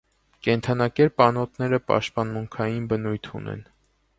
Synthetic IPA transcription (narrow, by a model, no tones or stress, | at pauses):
kɛnt̪ʰɑnɑkɛɾpɑnɔt̪ʰnɛɾəpɑ̰ʃt̪̚pɑnmuŋkʰɑjinbənujt̪ʰṵnʔɛ̰n